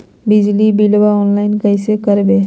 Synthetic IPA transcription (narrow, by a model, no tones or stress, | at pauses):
bid͡ʑlibilbaɔnlainkəjsekəɾbe